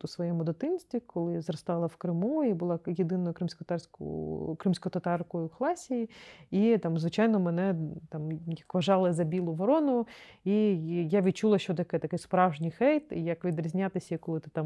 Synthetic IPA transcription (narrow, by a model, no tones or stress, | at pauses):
usʋɔjɛmʊd̪ɔt̪ɪmsʲt̪ʲʋʲikɔlˠɪzrɐst̪ɑlˠɐwkɾɪmuibʊlˠɑjed̪ɪnɔjʊkɾɪmsʲkɔt̪rsʲkkɾɪmsʲkɔt̪ɐt̪ɑrkɔjʊxlˠɑsʲijiit̪ɑmzʋɪt͡ʃɑjnɔmɛnɛt̪ɑmjɐkʋɐʒɑlˠɪzɐbʲilˠʊʋɐɾɔnʊijaʋʲid̪̚t͡ʃulˠɐʃt͡ʃɔt̪ɐkɛt̪ɐkɪspɾɑwʒnʲijxɛjt̪ijɐkʋʲid̪ɾʲizʲnʲat̪ɪsʲɐikɔlˠɪt̪ɪ̥t̪ɑm